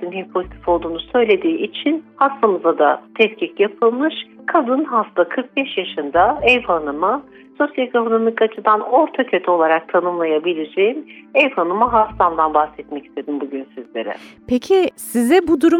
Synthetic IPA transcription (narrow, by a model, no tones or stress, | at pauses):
inɦɛpʰo̞zit̪ʰi̥fo̞lˠd̪uːnusø̞jlʲe̞d̪iːʔit͡ʃʰinhaslˠamɯzad̪at̪ʰɛscʰicjapʰɯlˠmɯʃkʰad̪ɯnɦaft̪akʰɯɾk̚bɛʃjaʃɯnd̪aɛvhanɯma | so̞sjalʲkʰokʰonomikat͡ʃʰɯd̪ano̞ɾt̪ʰacʰøt̪ʰo̞lˠaɾak̚t̪ʰanɯmlˠajabilʲed͡ʒejimɛvhanɯmaɦast̪ʰamd̪anbaxsɛt̪mɛci̥st̪ʰe̞d̪imbuɟynsizlʲe̞ɾɛ̰pʰecʰisizɛbud̪uɾu